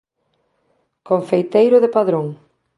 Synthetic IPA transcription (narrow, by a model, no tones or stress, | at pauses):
koɱfejt̪ejɾʊðepaðɾoŋ